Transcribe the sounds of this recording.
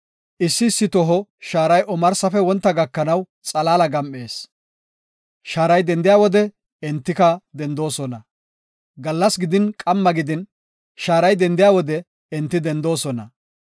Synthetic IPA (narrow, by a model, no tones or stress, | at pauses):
ʔɪsːɪːsːɪt̪ɔɦɔʃaːɾɐjʔɔmɐɾsɐfɛwɔnt̪ːɐɡɐkːɐnɐw | t͡sʼɐlaːlɐɡɐmʔeːs | ʃaːɾɐjd̪ɛnd̪ɪjaːwɔd̪ɛ | ɛnt̪ːɪkɐd̪ɛnd̪o̞ːsɔnɐ | ɡɐlːɐsɡɪd̪ɪnkʼɐmːɐɡɪd̪ɪn | ʃaːɾɐjd̪ɛnd̪ɪjaːwɔd̪ɛ | ɛnt̪ːɪd̪ɛnd̪o̞ːsɔnɐ